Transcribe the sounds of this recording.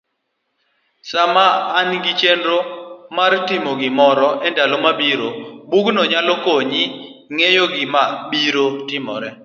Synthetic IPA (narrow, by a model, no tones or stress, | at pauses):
samaːnɡɪt͡ʃendɾomartɪmoɡɪmɔɾɔʔɛndalomabiɾobuɡnɔɲalokoɲɪ | ŋejoɡɪmabiɾotɪmɔ̰ɾɛ